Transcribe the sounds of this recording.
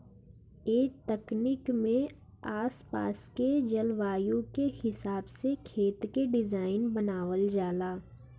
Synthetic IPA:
eːt̪əknɪkmẽ | aːspa̰ːsked͡ʒɐlʋaːjũkehɪsaːbsekʰeːt̪keɖɪd͡ʒaːɪnbənaːʋəld͡ʒaːlaː

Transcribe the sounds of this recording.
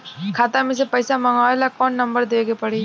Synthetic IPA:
kʰaːt̪ãmẽs̬epɐɪsamɐŋaːelakɔːnːɐ̃mbəɾd̪eːɡepɐɽiː

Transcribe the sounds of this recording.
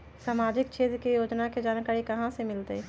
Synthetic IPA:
saːmaːd͡ʒɪk̚t͡ʃʰeːt̪ɾkejoːd͡ʒnaked͡ʒaːnkaːɾikɐɦãsemɪlt̪ɛ

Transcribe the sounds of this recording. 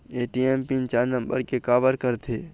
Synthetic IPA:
eːʈiempint͡ʃaːɾnəmbə̰ɾkekaːʋəɾkəɾt̪ʰeː

